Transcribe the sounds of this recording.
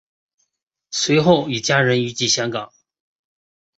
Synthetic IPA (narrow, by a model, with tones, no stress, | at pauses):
swe˧˥ɪxo˥˩ʊi˨˩t͡ɕja˥ɻə˧˥ny˧˥t͡ɕi˥˩ɕjɑ˥ŋkɑ̰˨˩˦ŋ